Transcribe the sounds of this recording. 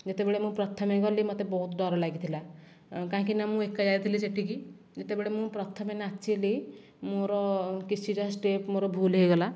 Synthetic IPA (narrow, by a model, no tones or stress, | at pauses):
d͡ʒet̪ebeɭemũpɾɔt̪ʰɔmeɡɔlimɔt̪ebɔɦut̪d̪ɔɾɔlaɡit̪ʰila | kãɦãkinamũekːad͡ʒajt̪ʰiliseʈiki | d͡ʒet̪ebeɭemũpɾɔt̪ʰɔmenat͡ʃʰili | moɾɔkit͡ʃʰid͡ʒɔɦsʈepmoɾɔbʱulɦejɡɔla